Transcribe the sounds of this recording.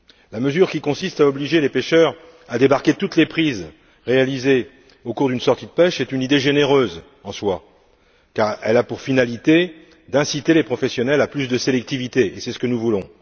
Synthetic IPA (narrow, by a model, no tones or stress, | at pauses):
laməzyʁkʲikɔ̃sist̪aɔbliʒelepeʃœʁ | ad̪ebaʁkʲet̪ut̪lepχiz | ʁealize | okuʁd̪ynsɔʁt̪id̪əpɛʃɛt̪ynid̪eʒeneʁøz | ɑ̃swa | kaʁɛlapuʁfinalit̪e | d̪ɛ̃sit̪elepχɔfɛsjɔnɛlaplysd̪əselɛk̚t̪ivit̪eʔesɛsə̥kənuvulɔ̃